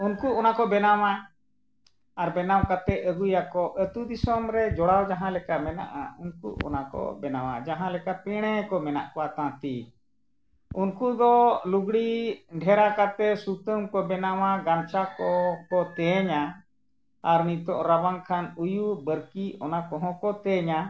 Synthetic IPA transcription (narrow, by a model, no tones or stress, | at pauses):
unkuʔɔnakɔbɛnawa | aɾbɛnawkat̪ɛəɡujakɔʔət̪ud̪isɔmɾɛd͡ʒɔɽawd͡ʒaɦãlɛkamɛna̰ʔa̰unkṵʔɔ̰nakɔ̰bɛnawa̰d͡ʒaɦãlɛkapɛɽ̃ɛkɔmɛna̰ʔkɔwat̪ãt̪i | unkud̪ɔluɡɽiɖʱɛɾakat̪ɛsut̪əmkɔbɛnawaɡant͡ʃakɔkɔt̪ɛɲa | aɾnit̪ɔʔɾabaŋkʰanujubəɾkiɔnakɔ̃ɦɔ̃kɔt̪ɛɲa